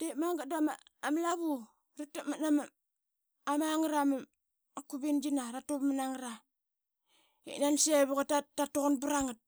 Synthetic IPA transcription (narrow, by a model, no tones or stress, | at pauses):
d̥emaŋɡadamaamlaβu | ɾitamanama | amaŋɾama | kuβind͡ʒinaɾatopmanaŋɾa | ḛnanseβuɣatatatoɣonbuɾaŋat̚